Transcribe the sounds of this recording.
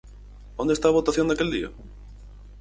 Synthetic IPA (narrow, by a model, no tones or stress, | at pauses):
õnd̪est̪aβot̪aθjond̪akeld̪ḭɐ̰